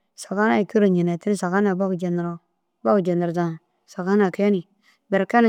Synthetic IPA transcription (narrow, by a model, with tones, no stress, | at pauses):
sa˨ka˦na˦i˨ki˦ɾo˨ɲi˨ne˨ti˦i˦˨sa˨ka˦na˨ba˦ɡu˨d͡ʒe˨n˨ɾo˨ | ba˦ku˨d͡ʒe˨na˨ɾza˨n˨ | sa˨ka˦na˨ke˦ni˨ | bɛ˨ɾka˦na˨